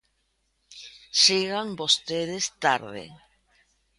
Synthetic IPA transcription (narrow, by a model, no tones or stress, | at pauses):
siɣambost̪eðest̪aɾðḛ